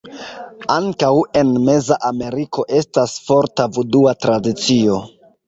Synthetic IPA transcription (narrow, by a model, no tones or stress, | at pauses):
aŋkawe̞nme̞zaʔame̞ɾikʰo̞ʔe̞stasfo̞ɾtavuduatɾadit͡sio̞